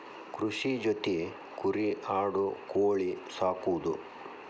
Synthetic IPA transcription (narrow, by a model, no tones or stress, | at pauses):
kɾuʃid͡ʒot̪i | kuɾiʔaːɽukoːɭisaːkud̪ṵ